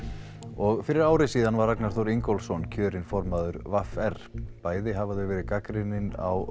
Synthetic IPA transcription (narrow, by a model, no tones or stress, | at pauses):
ɔɣfɪɾɪɾaːwɾɪsiːðanvaɾaknaɾ̥θowɾiŋkɔwlsɔncʰœːɾɪnfɔɾmaðʏɾvafɛr̥paːjðɪɦavaðvɪvɛːɾɪkakɾɪnɪna̰w